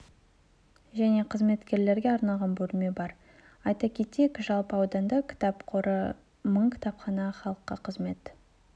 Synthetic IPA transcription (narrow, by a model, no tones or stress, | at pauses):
ʒæne̞qʰəzme̞t̪kʲe̞ɾle̞ɾɡʲe̞ɑɾnɑʁɑnbɵlɪme̞bɑɾ | ɑjt̪ɑkʲʰet̪ekʲʒɑlˠpɑwd̪ɑnd̪ɑkʲʰɪ̥t̪ɑpqʰoɾə | məɴkʲɪ̥t̪ɑpχɑnɑχɑlˠəqːɑ̰qʰəzme̞t̪